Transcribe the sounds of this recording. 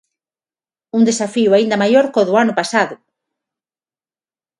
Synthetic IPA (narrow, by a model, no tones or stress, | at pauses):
und̪esafiwaind̪ɐmajoɾkoðʊanʊpasaðʊ